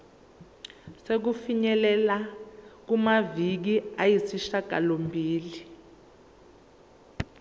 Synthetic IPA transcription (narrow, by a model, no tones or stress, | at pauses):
sek̬ufiɲɛlɛlak̬umavik̬iajisiʃaɡ̥ʱa̰lombʱiːli